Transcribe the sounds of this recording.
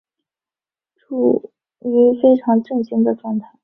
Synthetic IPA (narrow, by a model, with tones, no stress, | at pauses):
ʈ͡ʂʰu˥˩ | y˧˥fe˥ɪʈ͡ʂʰɑ˧˥ŋʈ͡ʂɤ˥˩ŋɕi˥ŋd̪ə˨ʈ͡ʂwɑ˥˧ŋt̪ʰa˥˩ɪ